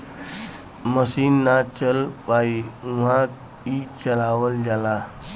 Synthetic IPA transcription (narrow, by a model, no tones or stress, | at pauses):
məsinːat͡ɕəlpaiṳ̃ã | it͡ɕəlaʋəld͡ʑala